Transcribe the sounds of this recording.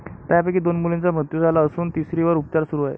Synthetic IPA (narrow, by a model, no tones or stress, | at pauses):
t̪japekiːd̪onmulẽnt͡sam̤ət̪jud͡zʱalaəsuːnt̪isɾiʋəɾup̚t͡ɕaɾsuɾuaɦḛ